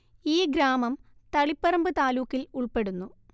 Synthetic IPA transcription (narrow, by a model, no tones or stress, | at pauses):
iːɡɾaːmɐm | t̪ɐɭipːɐrɐmbɨt̪aːluːkːiluɭpe̞ɽunːu